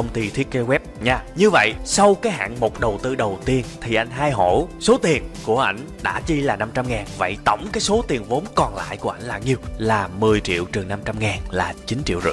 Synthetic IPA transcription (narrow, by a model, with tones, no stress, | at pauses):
ə˧wŋ͡mt̪i˧t̪ʰi˦˥t̚kːe˧wɛ˦˥p̚ɲaː˧ɲɨ˧və̰˧˨jsa˧wkaː˨˦jɦa̰ː˧˨ŋmo˨˩t̚ɗə˨˩wt̪ɨ˧ɗə˨˩wt̪i˧ənt̪ʰi˨˩ʔa˧jŋ̟ɦaː˧jɦo˧˩so˨˦t̪i˨˩ənku˧˩əʔa˧˩jŋ̟ɗa̰ː˧˥t͡ɕi˧laː˨˩na˧mt͡ɕa˧mŋaː˨˩nvə̰˧˨jt̪ə̰˧˩wŋ͡mkaː˨˦jso˨˦t̪i˨˩ənvo˨˦nkɔ˨˩nla̰ː˧˨jku˧˩əʔa˧˩jŋ̟laː˨˩ŋɲi˧əwlaː˨˩mɨ˨˩əjt͡ɕḭ˧˨əwt͡ɕɨ˨˩ŋna˧mt͡ɕa˧mŋaː˨˩nlaː˨˩t͡ɕi˨˦nt͡ɕḭ˧˨wzɨ̰˧˨